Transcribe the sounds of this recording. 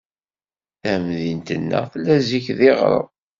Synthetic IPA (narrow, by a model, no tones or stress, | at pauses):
θæmðint̪ənːə̰θlːæziçðiʁɾˤə̰ð